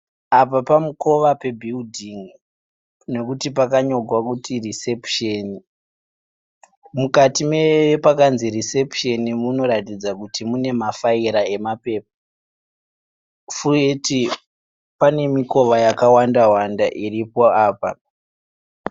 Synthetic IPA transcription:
apapamuko̞ʋape̞bʱildʱiŋ | ne̞kutip̬akaɲo̞ɡʱwakutirise̞pʃeni | mukatimepakanzirise̞pʃe̞nimuno̞ɾatid͡zakutimune̞mafaiɾae̞mape̞ːp̚a | fureti | pane̞miko̞ʋajakawandaɦwandaʔiripoaːpa

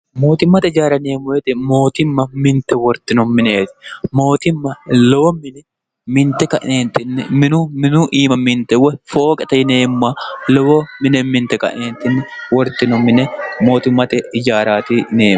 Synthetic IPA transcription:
mo̞ːt̪ɪmːɐt̪ɛɪd͡ʒaːɾɐneːmʊɛt̪ɪmo̞ːt̪ɪmːɐmɪnt̪ɛwɔɾt̪ːɪnɔmːɪnɛet̪ɪ̥mo̞ːt̪ɪmːɐlɔwɔmɪnɛ | mɪnt̪ɛkɐʔneːnt̪ːɪnːɪmɪnʊmɪnʊʔiːmɐmɪnt̪ɛwɔfo̞ːkʼɛt̪ɐjɪneːmʊːalɔwɔmɪnɛmɪnt̪ɛkɐ̰ʔneːnt̪ɪnːɪwɔɾt̪ːɪnɔmːɪnɛmo̞ːt̪ɪmːɐt̪ɛɪd͡ʒaːɾaːt̪ɪneːm

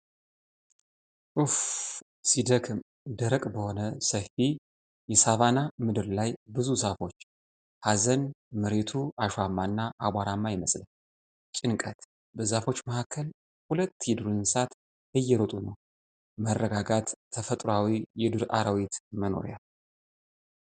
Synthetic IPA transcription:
ʔɨf | sid̪əkʰɨm | d̪əɾəkʼbəho̞nəsəfi | jɛsaβanamɨd̪ɨɾlajbɨzusafo̞t͡ʃː | hazənmɨɾe̞t̪ʰuaʃamːanːaʔaɡʷaɾamːajɛməsʼlən | t͡ʃʼɪnkʼət̪ | bəzafo̞t͡ʃːməhakʰːəl | hulət̪ːjɛd̪ɨɾɨnsat̪ | hɨjːɛɾot̪ʼunəw | mərːəɡaɡat̪ʰːəfət̪ʼɾoawijɛd̪ɨɾa̰ɾəwit̪məno̞̰ɾjal

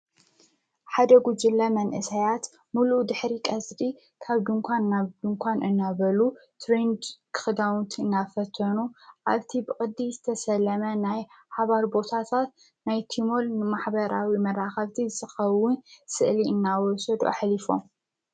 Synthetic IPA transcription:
ħad̪ɐɡud͡ʒɨlːɐmɐnʔɨsɐjat̪ | mulud̪ɨħɾikʼɐzd̪i | kʰaβd̪ɨŋkʷʰanːaβd̪ɨŋkʷʰanɨnːaβɐlut̪ʰɾend̪kʰɨ̥xɨd̪awnt̪ʰɨnːafɐt̪ʰːɐnuʔa̰βt̪ʰibɨkʼɨd̪ːizɨt̪ʰɐsɐlːɐmɐnaj | ħaβaɾbo̞t̪ʰat̪ʰat̪ | najt̪ʰimo̞lnɨmaħbɐɾawimɐɾaxɐβt̪ʰizɨt̪ɨxɐwʊnsɨʔliɨnːawɔsɐd̪ṵʔa̰ħlifo̞̰m

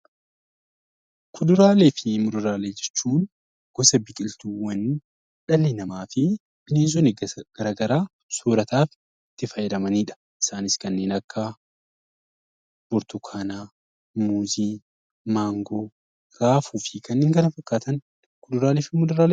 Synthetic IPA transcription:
kʰʊd̪ʊɾaːleːfɪmʊd̪ʊɾaːleːd͡ʒɛt͡ʃːuːn | ɡ̥ɔsɐbɪkʼɪlt̪uːwɐn | ᶑɐlːɪnɐmaːfɪ | b̥ɪneːns̬ɔnɡ̥ɐɾaːɡɐɾaː | soːɾɐt̪aːf | t̪ːɪfɐjɛd̪ɐmɐniːᶑɐ̥ | ʔɪ̥saːnɪskɐnːe̞ːnɐkːɐ | b̥ɔɾt̪ʊkʰaːnaː | muːziː | maːŋɡoː | ɾaːfuːfɪkɐnːeːŋɡɐnɐfɐkːaːt̪ɐn | kʊd̪ʊɾaːleːfɪmʊd̪ʊɾaːle

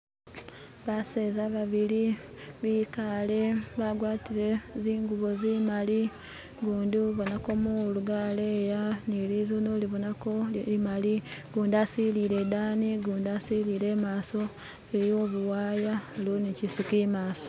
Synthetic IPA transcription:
βasezaβaβili | βiːkale̞βaɡwaːtiɾe̞ziːŋɡuβozimali | ɡuːndiβonakomuluɡaleːjanilizonoliβonakoimaliɡuːndasiliɾe̞d̪aːniɡuːndasiliːɾe̞ːmaːso̞ | eɾijoːβuwaːjaloːnicisikimaːso̥

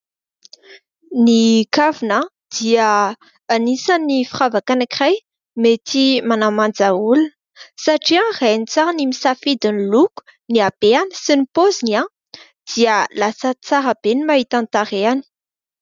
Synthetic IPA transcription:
nikavina | d̪̥iəː | nisanifiravakanakiraj | met̪imanamand͡zaulun | saʈ͡ʂiãranit͡saɾənimisafid̪iniluku̥ | niab̥eanə̥sinipozinia | d̪̥iəlasət͡saɾəb̥enimaɦit̪ant̪aɾeani̥

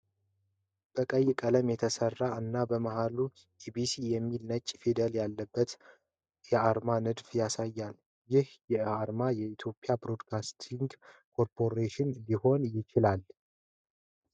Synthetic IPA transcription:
b̥əkʼəjːɪkʼələmjɛt̪ʰəsərːaɨnːabəmahalu | ʔibisijɛmːilnət͡ʃʼːfid̪əljalːəbːət̪ | jɛaɾmanɨd̪fjasajːal | jɪhjɛaɾmajɛit̪ʰjo̞pʼɪjabɾo̞d̪kʰast̪ʰiŋɡkʰo̞ɾpʰoɾeʃɪnliho̞njɪt͡ʃɪlal

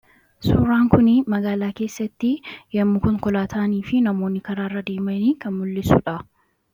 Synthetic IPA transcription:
suːɾaːŋkʊnɪmɐɡaːlaːke̞ːsːɐt̪ːɪjɐmːʊkʊŋkɔlaːt̪ʰaːniːfɪnɐmo̞ːnːɪkɐɾaːrːɐd̪eːmɐniːkʰɐnmʊlːɪsʊᶑɐ

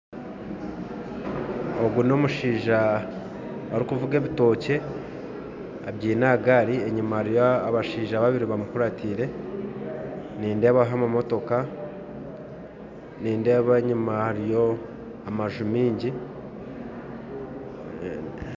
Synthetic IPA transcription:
oɡuno̞ːmuʃiːʒa | aɾikuvuɡe̞ːβito̞ce̞ | abɟiːnaɡaɾieɲumahaɾijoaβaʃiːʒaːβaβiɾiβamukuɾatʰiɾe̞ | niːnde̞βaɦamamo̞to̞ka | niːnde̞ːβeɲumahaɾijo̞ | amaʒumiːɲɟi

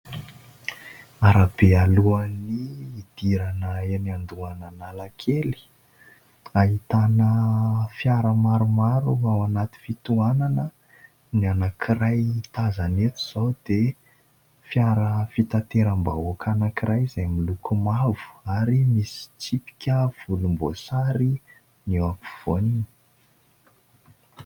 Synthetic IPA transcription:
aɾab̥ealuaniːd̪̥iɾanəeniand̪uananalakʰeli̥ | ait̪anəfjaɾəmaɾumaɾuawanat̪i̥fit̪uananə | nianakʰiɾajt̪azanet̪u̥z̥awd̪̥e | fjaɾəfit̪at̪eɾəmba̰okʰanakiɾʔajzajmilukumavu̥aɾimisi̥t͡sipi̥kʲəv̥ulumbosaɾi | newaku̥v̥onin̥

